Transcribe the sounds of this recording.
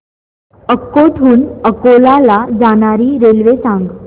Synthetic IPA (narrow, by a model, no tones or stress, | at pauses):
əkːoʈʰuːnəkolalad͡zaɽ̃aɾiːɾelʋesãŋɡ